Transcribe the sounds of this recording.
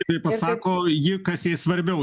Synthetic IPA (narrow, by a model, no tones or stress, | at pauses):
t̪ɐɪpɐsɑːkoːjɪkɐsjiːsʋɐɾʲbʲɛʊ